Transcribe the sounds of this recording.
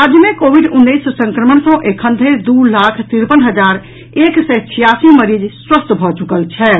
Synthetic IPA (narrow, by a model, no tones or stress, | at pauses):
ad͡ʒjmekobʱiɖunːəjssə̃ŋkɾəməɳsɔ̃ʔekʰənd̪ʱed̪ulakʰt̪iɾpənɦəd͡ʒaɾ | eksɛt͡ʃʰijasiməɾid͡ʒswəst̪bʱɔt͡ʃukəlt͡ʃʰɛ